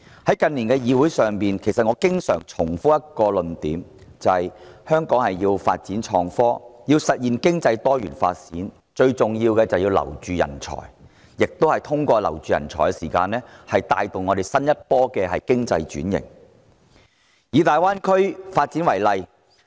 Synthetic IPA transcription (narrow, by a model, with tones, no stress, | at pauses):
hɐ˨˥jkɐ˨˧nliː˨˩nkɛː˧jiː˨˧wu˨˥jsœː˨ŋpiː˨nkʰe˨˩jsɐ˨t̚ŋɔː˨˧kɪ˥ŋsœː˨˩ŋt͡ʃʰʊ˨˩ŋfu˥jɐ˥t̚kɔː˧lɵ˨nt̪iː˨˥mt͡sɐ˨hɐ˨jhœː˥ŋkɔː˨˥ŋhɐ˨jjiː˧wfa̰ː˧t̚t͡siː˨˥nt͡ʃʰɔː˧ŋfɔː˥jiː˧wsɐ˨t̚jiː˨˩nkɪ˥ŋt͡sɐ˧jt̪ɔː˥jy̰ː˨˩nfa̰ː˧t̚t͡sḭː˨˥n | t͡ʃɵ˧ɥt͡sʊ˨ŋjiː˧wkɛː˧t͡sɐ˨wjiː˧wlɐ̰˨˩wt͡ʃyː˨jɐ̰˨˩nt͡ʃʰɔ̰ː˨˩j | jɪ˨k̚t̪o˥whɐ˨jt̪ʰʊ˥ŋkʷɔː˧lɐ̰˨˩wt͡ʃyː˨jɐ̰˨˩nt͡sʰɔː˨˩kɛ˧siː˨˩kaː˧nlɛː˥hɐ˨jt̪a̰ː˧jt̪o˨˩wŋɔ˨˧ɾe˨˩jsɐ˥njɐ˥t̚pɔː˥kɛː˧hɐ˨jkɪ˥ŋt͡sɐ˧jt͡ʃyː˨˥njɪ̰˨˩ŋ | jiː˨˧t̪aː˨jwaː˥nkʰɵ˥ɥfaː˧t̚t͡siː˨˥nwɐ˨˩jlɐ˨˧j